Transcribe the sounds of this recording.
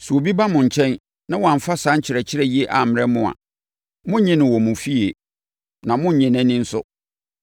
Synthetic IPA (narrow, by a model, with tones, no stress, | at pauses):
su˨o˨bi˦ba˦mʊ̃˨ɲ̩˨t͡ɕʰɛ̃˦n | nã˦wɔ˨ã˨m̩˨fa˦sã˦ɲ̩˦t͡ɕʰɪ˨ɾɛ˨t͡ɕʰɪ˦ɾɛ˦ji˦e˦ʔa˨m̩˨m˨ɾɛ˦mʊ̃˨a̰˨ | mʊ̃˦ɲɪ̃˦nɪ̃˨wɔ˨mʊ̃˨fi˦e˨ | nã˨mʊ̃˦ɲ̩˨ɲɪ̃˨nɪ̃˦nɪ̃˦n̩˦sʊ˦